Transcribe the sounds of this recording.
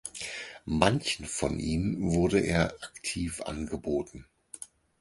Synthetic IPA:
mançn̩fɔ̰nʔiːmnvʊɐdəʔḛːɐʔaktʰiːfʔa̰nɡəboːtn̩

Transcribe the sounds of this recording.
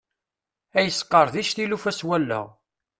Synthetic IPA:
æjəsːqːəɾˤðiʃθilufæswælːə̰ʁ

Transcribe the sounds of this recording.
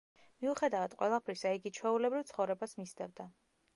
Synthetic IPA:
miuχɛd̪avad̪̥qʼwɛ̰lˠapʰɾisaiɡit͡ʃʰwɛulɛbɾivt̪sʰχɔvɾɛbasmisɛvd̪a

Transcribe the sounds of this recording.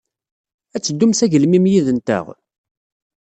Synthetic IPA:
æt͡sːəd̪ːumsæʝəlmimjiðənt̪ə̰ʁ

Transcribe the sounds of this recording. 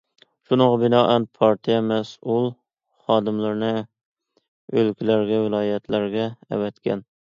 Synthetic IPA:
ʃunɨʁɑbɪnɑːʔænpʰɑɾt̪ʰijɛmæsulˠ | χɑːd̪ɪmlɪɾnɪ | ølkʲɪlæɾɡʲɛvɪlˠɑːjɛt̪ʰlæɾɡʲɛ̰ːvæt̪kʲæ̰n

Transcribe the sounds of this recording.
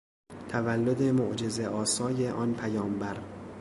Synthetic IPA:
t̪ʰævælːod̪e̞moʔd͡ʒe̞zeʔɒːsɒːjeʔɒːnpʰæjɒːmbæɾ

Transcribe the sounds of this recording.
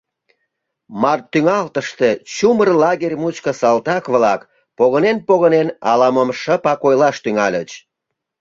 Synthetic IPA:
mɑrt̪ːyŋɑlt̪əʃt̪e̽t͡ɕumərlɑɣerʲmut͡ɕkəsɑlt̪ɑkβlɑk | poɣənenpoɣənenɑlɑməmʃəpɑkojlɑʃt̪yŋɑlʲət͡ɕ

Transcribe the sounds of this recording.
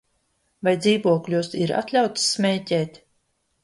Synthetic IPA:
vajd̪ziːvuɔklʲuɔsiɾa̰t̪lʲawt̪sːmʲɛːceːt̪

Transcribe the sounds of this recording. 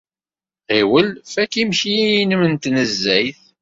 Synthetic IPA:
ʁiwəlfækimçijijinəmənt̪nəzːæjθ

